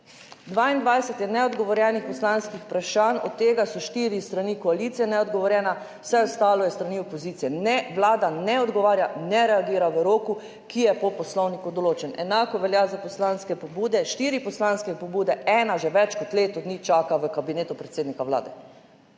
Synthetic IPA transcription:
d̪ʋaːind̪ʋajsɛt̪jɛnɛɔd̪ɡɔʋɔɾjɛnixpɔslanskixpɾaʃanɔ̰t̪ːeːɡasɔʃt̪iːɾist̪ɾanikɔaliːt̪sijɛnɛɔd̪ɡɔʋɔɾjɛna | w̥sɛɔst̪aːlɔjɛst̪ɾaniɔpɔziːt̪sijɛnɛʋlaːd̪anɛɔd̪ɡɔʋaːɾjanɛɾɛaɡiːɾaʋəɾoːku | kijɛpɔpɔslɔwnikud̪ɔloːt͡ʃɛnɛnaːkɔʋɛljazapɔslanskɛpɔbuːd̪ɛʃt̪iːɾipɔslanskɛpɔbuːd̪ɛɛːnaʒɛʋɛt͡ʃkɔt̪leːt̪ɔd̪nit͡ʃaːkaʋəkabineːt̪upɾɛt̪seːd̪nikawla̰ːd̪ɛ

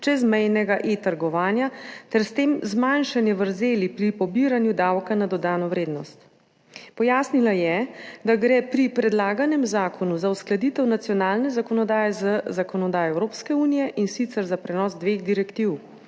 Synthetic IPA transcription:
t͡ʃɛzmɛjnɛɡaʔet̪əɾɡɔʋaːnjat̪ɛɾst̪eːmzmanʃanjɛʋəɾzeːlipɾipɔbiɾanjud̪awkanad̪ɔd̪aːnɔʋɾeːd̪nɔst̪ | pɔjaːsnilajɛd̪aɡɾɛpɾipɾɛd̪laːɡanɛmzaːkʰɔnuzausklad̪it̪ɛwnat̪sijɔnaːlnɛzakɔnɔd̪aːjɛzəzakɔnɔd̪aːjɔɛwɾoːpskɛuːnijɛʔinsit̪sɛɾzapɾɛnɔːzd̪ʋeɣd̪iɾɛkt̪iw

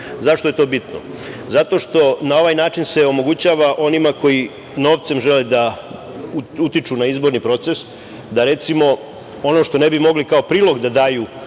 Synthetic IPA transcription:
zaʃt̪o̞je̞t̪oːbit̪no̰ | zat̪o̞ʃt̪o̞nao̞ʋajnaːt͡ʃinse̞o̞mo̞ɡut͡ɕaʋaʔo̞nimako̞ji | no̞ːʋt̪se̞mʒe̞led̪a | uut̪it͡ʃunaizbo̞ɾnipɾo̞t̪ses | d̪aɾe̞t̪simo̞ | o̞no̞ʃt̪o̞ne̞bimo̞ɡlikao̞pɾiːlˠo̞ɡd̪ad̪aːju

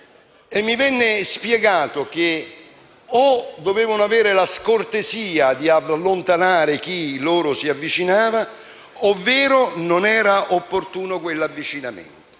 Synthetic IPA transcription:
emːivɛnːɪspjɛɡaːt̪ʊk̟e | od̪oveːvonoaveːɾɪlaskort̪eziːad̪ialːont̪anaːɾɪk̟iloːɾʊsiavːit͡ʃinaːva | ovːɛːɾʊnonɛːɾaʔopːort̪uːnokwelːavːit͡ʃinamḛnt̪o̥

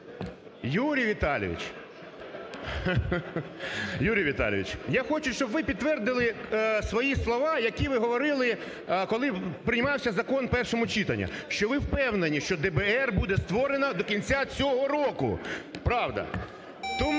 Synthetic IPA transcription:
juɾʲijʋʲit̪ɑlʲḭʋʲḭt͡ʃ | juɾʲijʋʲit̪ɑ̰l̰ʲʋʲḭt͡ʃjaxɔt͡ʃʊʃt͡ʃɔbʋɪpʲid̪ːʋɛrd̪ɪlˠɪsʋɔjislˠɔʋɑjɐkʲiʋɪɦɔʋɔɾɪlˠɪ | kɔlˠɪpɾɪnʲmɑwsʲɐzɐkɔnpɛrʃɔmʊt͡ʃit̪ɐnʲːɐ̰ʃt͡ʃɔʋɪwpɛwnenʲiʃt͡ʃɔd̪ɛbɛɛrbud̪ɛst̪ʋɔɾenɐd̪ɔkʲinʲt͡sʲat͡sʲɔɦɔɾɔkʊ̰pɾɑwd̪ɐ̰ | t̪ɔm

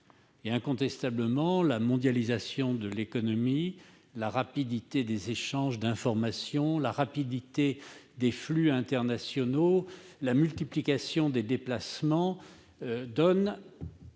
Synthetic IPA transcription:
eɛ̃kɔ̃t̪ɛst̪abləmɑ̃lamɔ̃d̪jalizasjɔ̃d̪əlekɔnɔmi | laʁapid̪it̪ed̪ezeʃɑ̃ʒd̪ɛ̃fɔʁmasjɔ̃laʁapid̪it̪e | d̪eflyɛ̃t̪ɛʁnasjɔnolamylt̪iplikasjɔ̃d̪ed̪eplasmɑ̃ | d̪ɔn

